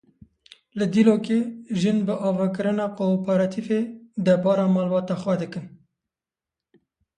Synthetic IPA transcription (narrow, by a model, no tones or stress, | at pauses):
lɨd̪iloːkeʒɨnbɨʔɑːvɑkɨɾɨnɑːqopɛɾɑt̪ʰifed̪ɛɾbɑːɾɑːmɑːlwɑːt̪ɑxwɛd̪ɨkɨn